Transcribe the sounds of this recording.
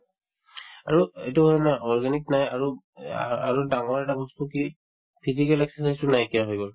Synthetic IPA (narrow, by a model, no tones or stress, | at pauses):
aɹuḛtuɦojnaʔɔɹɡaniknajaɹu | aɹudaŋɔɹɛtabʱɔstuki | pʰizikɛlɛksɛsajstʊnajkiaɦojɡɔl